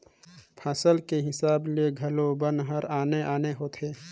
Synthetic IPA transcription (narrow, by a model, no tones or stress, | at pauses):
pʰaːsəlkeɦɪsaːblieɡʱɐlobənɦəɾaːneʔaːneɦoːt̪ʰeː